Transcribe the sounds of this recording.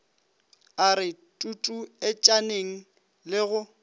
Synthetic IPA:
aɾɪtʼutʼuɛt͡ʃʼaneŋ̩ | lɪɣʊ

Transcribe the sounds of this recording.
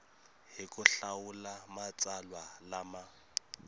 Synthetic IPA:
hɪkʼʊɬaʊlamat͡sʼalwalama

